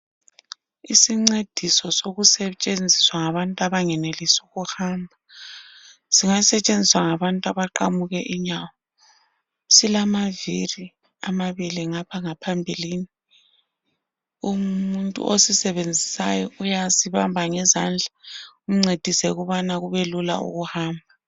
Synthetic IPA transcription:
isiŋ͡ǀed̥ʱisɔsoɣusɛt͡ʃʼend͡zʱiswaŋaβantʼuaβaŋɛnelisuɣuhambʱa | siŋasɛt͡ʃʼend͡zʱiswaŋaβantʼuaβaǃamuɣɛʔiɲawɔ | silamaviri | amaβiliŋapʰaŋapʰambʱilini | umuntʼṵʔosisɛβend͡zʱisajɔujasiβambʱaŋɛzand͡ɮʱaum̩ŋ͡ǀed̥ʱisɛuɣuβanaɣuβelula̰ṵɣuhaːmbʱa

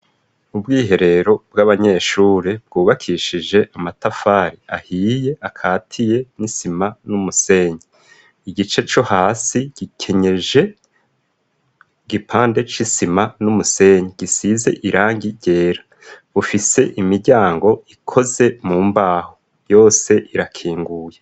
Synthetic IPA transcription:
ubɡiːɦe̞ɾe̞ɾo̞b̚ɡaβaɲe̞ːʃuːɾebɡuːβakʰiʃid͡ʒe̞ʔamatafaːɾiahiːje̞akʰaːtʰije̞nisimanumuse̞ɲi | iɟit͡ʃe̞t͡ʃo̞haːsiɟ̥ikʰe̞ɲe̞ʒe̞ | ɡipʰaːnde̞t͡ʃisimanumuse̞ɲiɡ̥isize̞̰ʔiɾaːŋɡiɟe̞ːɾḁ | βufise̞̰ʔimiɾɟaːŋɡo̞ikʰo̞ze̞muːmbaːho | jo̞ːse̞ʔiɾakʰiːŋɡuːje

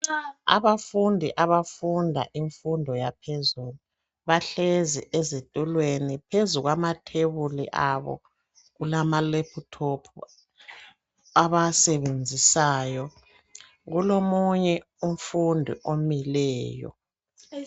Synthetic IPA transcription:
a̰βafundʱiʔaβafundʱa̰ʔiɱfundʱɔjapʰezulu | βaɬeziʔezitʼulwenipʰezuɣwamatʰeβulḭʔaβɔ̰ | ɣulamalepʰutʰopʰu | aβasɛβend͡zʱisaːjɔ | ɣulomuɲɛ | um̩fundʱḭʔomilɛːjɔ̰

